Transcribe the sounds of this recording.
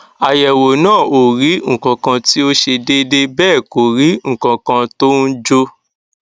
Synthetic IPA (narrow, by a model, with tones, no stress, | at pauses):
a˨jɛ˨wo˨nãː˦˨o˨ɾi˨˦ŋ̩˨kã˨kã˧ti˦o˦ʃe˧de˦de˦bɛː˦˨ko˨ɾi˨˦ŋ̩˨kã˨kã˧to˦ũ˦d͡ʒo˧